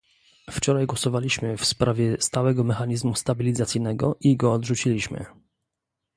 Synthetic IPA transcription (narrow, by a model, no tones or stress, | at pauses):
ft͡ʂɔɾajɡwɔsɔvalʲiɕmɘfspɾavʲjɛst̪awɛɡɔmɛxaɲizmust̪abʲilʲizat̪sʲijnɛɡɔ̰ʔiɡɔːd̪ʐut͡ɕilʲiɕmɘ̰